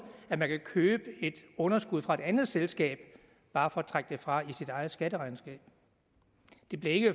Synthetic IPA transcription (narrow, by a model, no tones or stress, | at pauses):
æmænkʰækʰøːb̥əe̝d̥ɔ̽nɐsɡ̥uð̞̰ˠfʁɑ̈e̝d̥ænð̩ˠselsɡ̥ɛ̰ːb̥ | b̥ɑ̈ːfɒ̽æt͡sʰʁäɡ̥̚d̥e̝fʁɑ̈isid̥ɑ̈ɪð̩ˠsɡ̥ædəʁɑ̈ɪnsɡ̥ɛ̰ːb̥ | d̥e̝b̥le̝ɐe̝ɡ̥ə